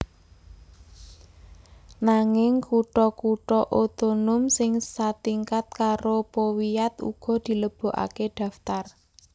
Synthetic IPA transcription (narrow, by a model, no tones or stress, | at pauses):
naŋɪŋkuʈɔkuʈɔʔot̪onʊmsɪŋsat̪iŋkat̪̚kaɾopowijat̪ṵɡ̥ɔ̤d̪̥i̤ləb̥o̤ʔa̰keɖ̪̥a̤ft̪ar